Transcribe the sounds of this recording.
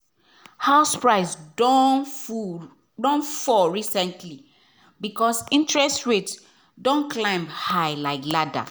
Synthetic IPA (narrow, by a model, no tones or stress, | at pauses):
haʊspɹaɪs | dɔ̃nfɔɹisɛ̃ntʰli | bikɔsĩntɹɛstɹet | dɔ̃nklãɪ̃mhaɪlaɪklada̰